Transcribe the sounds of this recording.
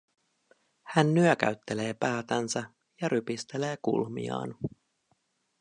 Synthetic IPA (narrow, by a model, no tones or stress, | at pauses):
hænːyøk̟æ̰ɥt̪ːe̞le̞ːpæːt̪ænsæ | jɑɾypist̪e̞le̞ːkṵlmḭɑ̰ːn